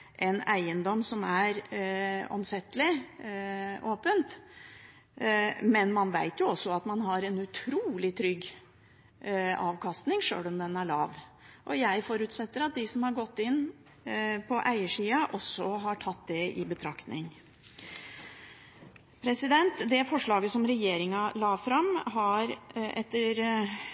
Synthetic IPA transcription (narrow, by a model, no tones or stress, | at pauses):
ʔɛnæ̰ɪənd̪ɔmsɔmæɾ | ɔ̰msɛt̪ːəlɪ | ʔoːpənt̪ | mɛnmɑnʋæɪt̪jʊɔsːɔɑt̪mɑnɦɑɾɛnʉt̪ʰɾuːlɪt̪ʰɾʏɡː | ɑ̰ːʋkʰɑst̪nɪŋʂø̰ːlɔmd̪ɛnæɭɑ̰ːʋʔɔjæɪfɔɾʉt̪sɛt̪ːəɾɑt̪̚d̪ɪsɔmhɑɾɡɔt̪ːɪnː | pʰɔʔæɪəʂiːɑʔɔsɔɦɑʈʰɑt̪̚ːd̪ɛɪbət̪ʰɾɑkt̪nɪ̰ŋ | pʰɾɛsɪd̪ɛnt̪d̪ɛfɔʂɭɑːɡəsɔmɾɛjeːɾɪŋɑlɑːfɾɑmɦɑɾʔɛt̪ːəɾ